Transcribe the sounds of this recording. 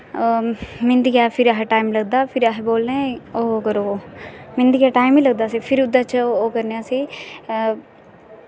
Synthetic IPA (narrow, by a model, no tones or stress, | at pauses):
mɪ̃nd̪ikɛːpʰɪɾaɦeʈaːimləɡ̚d̪aːpʰɪɾaɦeboːlːẽːoːkəɾo | mɪnd̪iːɡɛːʈaːɪmiːləɡ̚d̪aːsiːpʰɪɾʊd̪aːt͡ʃoːkəɾneaːsiː